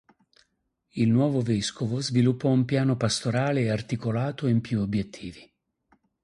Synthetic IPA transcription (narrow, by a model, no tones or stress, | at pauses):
ilnwɔːvoveskovozvilupːɔumpjaːnopast̪oɾaːleart̪ikolaːt̪oimpjuobjet̪ʰːiːvi